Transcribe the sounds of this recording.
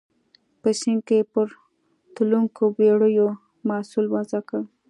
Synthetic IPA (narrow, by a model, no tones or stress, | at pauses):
pəsɪŋ̚kepəɾ | t̪uluŋkobeɽəjo | mɑsulwazaka